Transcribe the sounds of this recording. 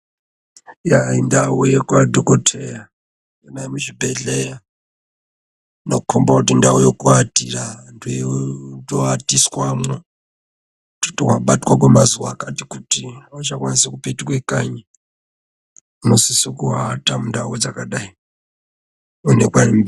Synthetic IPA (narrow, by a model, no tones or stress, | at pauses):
jaindawujɛkʼwadɔkʼɔtʰɛja | jɛnaimuʐibɛɮɛja | nɔkʰɔmbakutindawujokuatʼiɾantʰuɛtɔatʼiskwamɔ | tu̥tʼɔwaɓatʼwak̬ʼwɔmazuwakʼatikutʰʼiut͡ʃʰakwanisakupetikʼwekʼaɲa | unosisukuɦatʼamundawɛd͡zakʼaɗai | unɛkwaimb